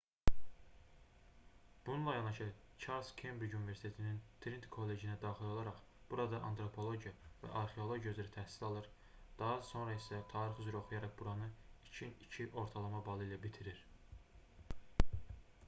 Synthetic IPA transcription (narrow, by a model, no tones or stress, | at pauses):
b̥ununlˠɑjɑnɑʃɯ | t͡ʃʰɑlskʰembɾid͡ʒunive̞ɾsi̥t̪ʰe̞t̪ʰinint̪ʰɾint̪kʰo̞lːe̞d͡ʒinæd̪ɑːχilˠo̞lˠɑɾɑχ | b̥uɾɑd̪ɑʔɑ̰nt̪ʰɾo̞pʰo̞lˠo̞ɟjɑvæ̰ʔɑɾχeo̞lˠo̞ɟjazyɾæt̪ʰæhsi̥lɑlˠɯɾ | d̪̥ɑɦɑso̞nɾɑisæt̪ʰɑːɾiχyzyɾæo̞χujɑɾɑχbuɾɑnɯit͡ʃʰinit͡ʃʰiʔo̞ɾt̪ʰɑlˠɑmɑbɑlˠɯilʲæbit̪ʰiɾiɾ